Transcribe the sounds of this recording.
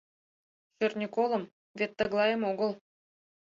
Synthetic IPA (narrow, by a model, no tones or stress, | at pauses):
ʃørnʲikolˠɤ̆m | vʲet̪ːə̆ɣlˠɑjəmoɣɤlˠ